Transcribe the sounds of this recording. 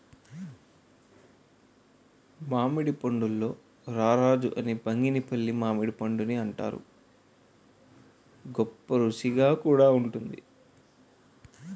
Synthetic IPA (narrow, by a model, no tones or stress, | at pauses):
maːmiɽipɐɳɖulːo̞ː | ɾaːɾaːd͡ʒuʔɐnipɐŋɡinipɐlːimaːmiɽipɐɳɖuniɐɳʈa̰ːɾṵ | ɡɔpːɐɾusiɡaːkuːɽaːuɳʈund̪ḭ